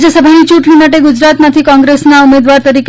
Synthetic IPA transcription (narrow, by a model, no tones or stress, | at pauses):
jəsəbʱanit͡ɕuʈʰlinəʈ̬eɡud͡ʑɾat̪mat̪ʰiːkɔ̃ŋɡɾesnaumed̪ʋaɾt̪əɾik